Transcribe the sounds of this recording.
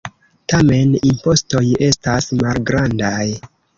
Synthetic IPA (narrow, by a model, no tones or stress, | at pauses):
tame̞nimpo̞sto̞je̞stasmalɡɾandaj